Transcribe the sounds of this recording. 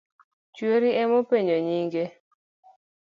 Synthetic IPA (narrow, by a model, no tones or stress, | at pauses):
t͡ʃweɾiɛmopeɲoɲiŋɡe